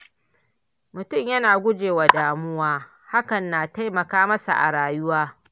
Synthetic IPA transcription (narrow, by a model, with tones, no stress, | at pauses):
mʊ˨tʊ˦˨mjɐ˦naː˨ɡʷʊ˦d͡ʒeː˨wa˨daː˨mʊ˦waː˦ | ha˦kɐ˨nːaː˨ta˦jmɐ˨kaː˦mɐ˦sa̰˨ʔa̰˨ɽaː˨jʊ˦waː˦